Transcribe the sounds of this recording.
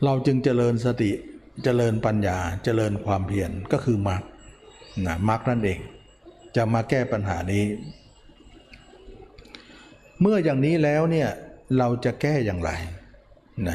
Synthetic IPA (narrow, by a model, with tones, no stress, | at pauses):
ɾa˧wt͡ɕɯ˧ŋt͡ɕa˨˧lɤː˧ns̬a˧t̪i˨˩ | t͡ɕa˧lɤː˧npa˧njaː˧t͡ɕa˧lɤː˧nkʰwaː˧mpʰi˧˩ənkɔː˥˩kʰɯː˧ma˦˥k̚na˦˥ma˦˥k̚na˥˩nʔeː˧ŋ | t͡ɕa˨˩maː˧kɛː˥˩pa˧nɦa̰ː˩˦niː˦˥ | mɯ˥˩ɐjaː˨˩ŋniː˦˥lɛː˦˥wni˥˩ɐɾa˧wt͡ɕa˨˩kɛː˥˩jaː˨ŋɾa̰˧j | na˦˥